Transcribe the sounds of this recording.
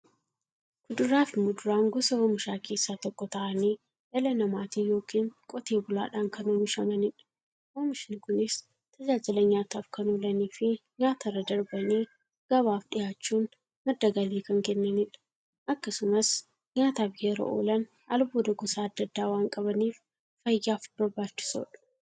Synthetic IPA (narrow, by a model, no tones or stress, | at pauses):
kʊd̪ʊɾaːfɪmʊd̪ʊɾaːŋɡɔsɐwomɪʃaːke̞ːsːaːt̪ɔkːɔt̪ɐʔɐniː | jɐlɐnɐmaːt̪iːjo̞ːkiːŋkʼɔt̪e̞ːbʊla̰ːᶑaːŋkɐnoːmɪʃɐmɐnɪᶑɐ̥ | woːmɪʃnɪkʊnɪs | t̪ʰɐd͡ʒaːd͡ʒɪlɐɲaːt̪aːfkɐnoːlɐniːfɪɲaːt̪ɐrːɐd̪ɐɾbɐniː | ɡ̥ɐβaːfɗɪjaːt͡ʃːuːn | mɐd̪ːɐɡɐliːkɐŋkɛnːɐnɪᶑɐ̥ | ʔɐkːɐsʊmɐs | ɲaːt̪aːfjɛɾɐ̰ʔo̰ːlɐn | ɐlbuːd̪ɐɡɔsaːd̪ːɐd̪ːaːwaːŋkʼɐβɐniːf | fɐjjaːfb̥ɐɾbaːt͡ʃːɪ̥so̰ːᶑɐ̥